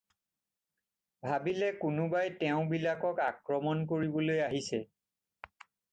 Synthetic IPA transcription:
bʱabilɛkʊnʊbajtɛʊ̃bilakɔkakɹɔmɔnkoɹibɔlojaɦisɛ

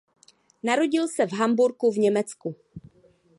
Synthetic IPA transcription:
naɾo̞ɟɪlsɛvɦambuɾkuvɲɛmɛt͡sku

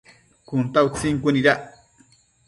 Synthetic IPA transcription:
kʊnt̪awt͡siŋkuniɾaʔ

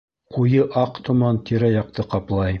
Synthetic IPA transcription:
qujɤʔɑqt̪ŏmɑnt̪iɾæjɑq̚t̪ɤqɑplˠɑj

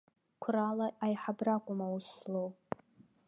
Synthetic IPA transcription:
kʷʰralaʔajħabrakʷʼʊmauslowpʼ

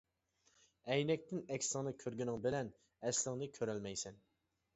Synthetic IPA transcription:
ɛjnɛk̚ʲt̪ʰɪnɛkʲsɪŋnɨkʲʰøɾɡʲynɪŋbɪlɛn | ɛslɪŋnɨkʲʰøɾælmɛjsɛn

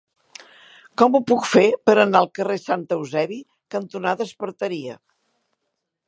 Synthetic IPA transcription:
kɔmupukfepəɾənaəlˠkəresant̪əwzɛβi | kənt̪unaðəspəɾt̪əɾiə

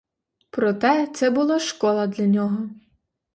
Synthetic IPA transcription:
pɾɔt̪ɛt̪sɛbʊlˠaʃkɔlˠɐd̪lʲɐnʲɔɦɔ

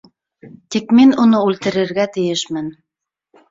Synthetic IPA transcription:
t̪ikminunɤʉlt̪ɘ̆ɾɘ̆ɾɡæt̪ɘ̆jɘʃmɘn

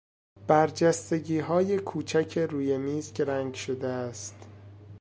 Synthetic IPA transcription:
b̥æɾd͡ʒæst̪e̞ɟiːɦɒːje̞kʰuːt͡ʃʰæcʰeɾuːje̞miːzɡɾæŋɡʃo̞d̪eæst̪

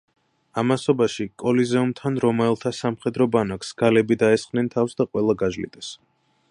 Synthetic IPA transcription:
amasɔbaʃikʼɔlizɛumt̪ʰanɾɔmɛlˠt̪ʰasamχɛd̪ɾɔbanaksɡ̥alɛbid̪aɛsχʼnɛnt̪ʰafsd̪aqʼwɛlˠaɡaʒlḭd̪ʼɛs

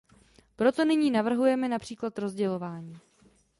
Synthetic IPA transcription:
pɾo̞t̪o̞nɪɲiːnavr̩ɦujɛmɛnapr̥iːklat̪ɾo̞zɟɛlo̞vaːɲiː

